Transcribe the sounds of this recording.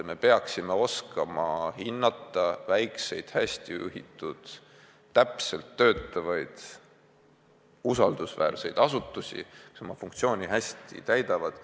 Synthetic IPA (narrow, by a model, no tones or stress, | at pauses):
me̞pe̞ɑksime̞o̞skɑmɑhinːɑt̪ːˑɑvæjkse̞jd̪̥hæsʲt̪iṵɦḭt̪ˑːud̪̥ː | æpse̞lt̪ːø̞ːt̪ːˑɑvɑjd̪̥ | usɑld̪̥usvæ̰ːrse̞̰jd̪ɑsut̪ːˑusʲḭku̥so̞mɑfuŋkt̪sio̞ːnʲiɦæsʲt̪ḭt̪æjd̪ɑvɑd̪̥